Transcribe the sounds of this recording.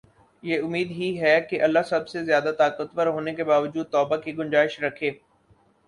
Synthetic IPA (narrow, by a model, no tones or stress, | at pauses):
jeːʊmiːd̪ɦiɦɛkeʔɐlːasɐbsezjaːd̪at̪aːqət̪wəɾɦoːnekebaːʋəd͡ʒuːd̪̚t̪ɔːbakiɡʊ̃nd͡ʒaːɪʃɾɐkʰeː